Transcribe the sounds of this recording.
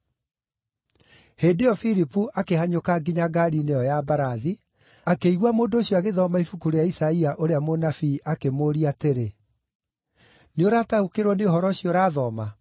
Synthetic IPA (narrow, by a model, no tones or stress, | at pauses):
heːdeɔfiɾipuʔakehaɲokaɡiɲaɡaɾineɔjabaɾaði | akeiɣwamoːndooɕiɔaɣeðɔmaifukuɾejaisaiaʔoɾeamonafiʔakemoɾiateɾe | neoɾaːtaukeɾwɔneoɦɔɾɔɕjoɾaːðɔma